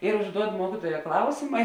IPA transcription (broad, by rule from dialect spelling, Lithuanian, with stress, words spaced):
ɪr ʊʒˈduɔt ˈmuɔkʲɪtuɔjɛ ˈklˠɐʊsʲɪmɐ